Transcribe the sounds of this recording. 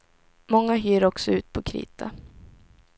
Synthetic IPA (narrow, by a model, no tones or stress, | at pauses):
mɔŋːaɦyːɾɔksɔʉ̟ːt̪̚pʰɔkʰɾḭːt̪ʰa